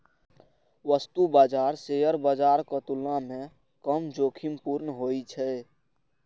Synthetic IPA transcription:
ʋəst̪ubaːd͡ʒaːɾsejəɾbad͡ʒaːɾkət̪ulãmẽ | kəmd͡ʒoːkʰimpuɾnɦoit͡ʃʰɛ

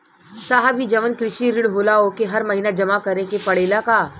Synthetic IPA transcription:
saːɦabid͡ʒɐʋənkɾɪʃiɾɪɽɦoːlaokeɦɐɾmɐɦinad͡ʒɐmakɐɾekepɐɽeːlakaː

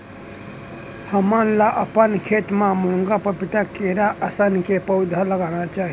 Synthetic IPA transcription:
həmənlaʔəpənkʰet̪mamuŋɡapəpit̪akeɾaʔəsənkepəʊd̪ʱələɡanat͡ʃaɦi

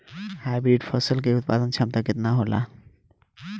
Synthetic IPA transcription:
hajbɾiɖfɔsolk̬eut̪̚pad̪onʃʰamt̪aket̪naɦola̰

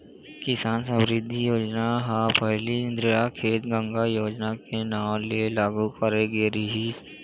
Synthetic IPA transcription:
kɪsaːnsə̃bɾɪd̪ʱːijoːd͡ʒnaɦapəɦliɪ̃nd̪ɾɪjakʰeːt̪ɡə̃ŋɡajoːd͡ʒnakenaːmlelaːɡukəɾeɡeɾiɦiːs

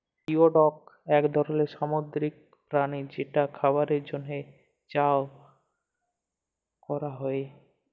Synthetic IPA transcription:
ioɖɔk̚ɛkd̪ʱɔɾoleʃamod̪ɾik̚ | pɾanid͡ʑeʈakʰabaɾeɾd͡ʑonːe | t͡ɕao | kɔɾaɦɔe

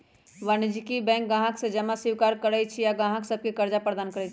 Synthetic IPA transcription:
ʋanɪd͡ʒikibɛ̃ːŋk̚ɡãːɦaksed͡ʒɐmasɪwkaːɾkəɾəjt͡ʃʰijaɡãːɦaksɐb̚kikɐɾd͡ʒapɾəd̪aːnkəɾət͡ʃʰi

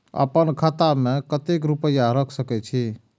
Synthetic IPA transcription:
ə̰pənkʰat̪amẽkət̪ekɾupəjaɾəkʰsəkɛt͡ʃʰi

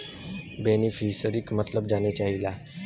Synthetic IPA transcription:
beːnifʰiːsəɾɪkmət̪ləbd͡ʒaːnet͡ʃaːɦilaː

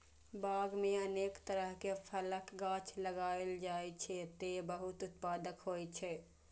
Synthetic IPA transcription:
baːɡmẽɐneːkt̪əɾəɦkefʰələkɡãːt͡ʃʰləɡaːeld͡ʒaːet͡ʃʰet̪ebəɦʊt̪ʊt̪̚paːd̪əkɦoːet͡ʃʰe

